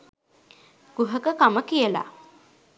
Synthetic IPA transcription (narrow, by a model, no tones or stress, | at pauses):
ɡ̥uɦəkəkaməkijəla̰